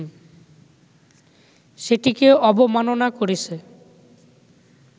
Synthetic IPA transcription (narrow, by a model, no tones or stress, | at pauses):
ʃeʈikeʔɔbomanonakoɾit͡ɕʰe